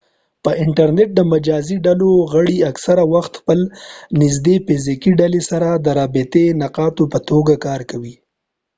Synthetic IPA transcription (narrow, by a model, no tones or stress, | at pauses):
pəʔɪɳʈaɾneʈ̚d̪əmad͡ʒɑziɖaloɣəɽiaksaɾawaxt̪xpəlnɪz̬d̪efɪzikiɖalesaɾad̪əɾɑbɪt̪enaqɑt̪opət̪oɡakɑːɾkawi